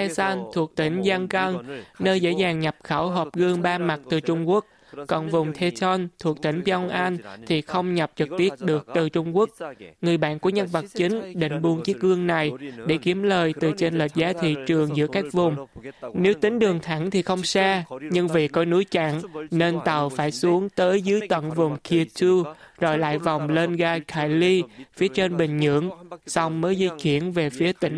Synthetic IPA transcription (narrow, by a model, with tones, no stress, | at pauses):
ɛ˧sa˧nt̪ʰu˨˩ək̚t̪ï˧˩ŋ̟za˧ŋkə˧ŋnəː˧jzḛ˧˥zaː˨˩ŋɲa˨˩p̚xaː˧˩wɦɔ˨˩p̚ɣɨ˧əŋɓaː˧ma˨˩t̚t̪ɨ˨˩t͡ɕʊ˧ŋ͡mku˦˥ək̚ | kɔ˨˩nvʊ˨˩ŋ͡mt̪ʰe˧sə˧nt̪ʰu˨˩ək̚t̪ï˧˩ŋ̟və˧wŋ͡mʔa˧nt̪ʰi˨˩xə˧wŋ͡mɲa˨˩p̚t͡ɕɨ˨˩k̚t̪i˦˥ət̚ɗɨ˨˩ək̚t̪ɨ˨˩t͡ɕʊ˧ŋ͡mku˦˥ək̚ŋɨ˨˩əjɓa̰ː˧˨nku˧˩əɲə˧nvə˨˩t̚t͡ɕi˨˦ŋ̟ɗḭ̈˧˨ŋ̟ɓu˧ənt͡ɕi˦˥ək̚ɣɨ˧əŋna˨˩jɗe˧˩ki˨˦əmləː˨˩jt̪ɨ˨˩t͡ɕe˧nlə˨˩t̚zaː˨˦t̪ʰḭ˧˨t͡ɕɨ˨˩əŋzɨ̰˧˥əkaː˦˥k̚vʊ˨˩ŋ͡mne˨˦wt̪ï˨˦ŋ̟ɗɨ˨˩əŋt̪ʰa˧˩ŋt̪ʰi˨˩xə˧wŋ͡msaː˧ɲɨ˧ŋvḭ˧˨kɔ˨˦nu˨˦jt͡ɕa̰˧˨ŋne˧nt̪ə˨˩wfaː˧˩jsu˨˦əŋt̪əː˨˦jzɨ˨˦jt̪wə̰˧˨nvʊ˨˩ŋ͡mkʰi˧t̪u˧zɔ˧˩jla̰ː˧˨jva˨˩wŋ͡mle˧nɣaː˧kʰaː˧˩jli˧fi˨˦ət͡ɕe˧nɓï˨˩ŋ̟ɲɨ̰˧˥əŋsa˧wŋ͡mməː˨˦jzi˧t͡ɕi˧˩ənve˨˩fi˨˦ət̪ï˨˦ŋ